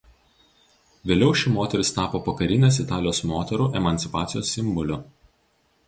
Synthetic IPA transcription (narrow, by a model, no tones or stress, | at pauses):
ʋʲeːlʲɛʊʃʲɪmoːt̪ʲɛɾʲɪst̪ɑːpoːpɐkɐɾʲɪnʲeːs̬ɪt̪ɑːlʲɪjoːsmoːt̪ʲɛɾuːʔɛmɐnʲt̪ʲɪpɑːt̪sʲɪjoːsːʲɪmˑbɔlʲʊ